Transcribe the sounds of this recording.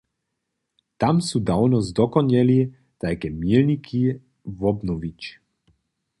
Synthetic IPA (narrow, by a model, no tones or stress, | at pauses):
t̪amsuːd̪awnɔzd̪ɔkɔɲɛli | t̪ajkɛmjilɲikʰi | vɔbnɔvit͡ʃ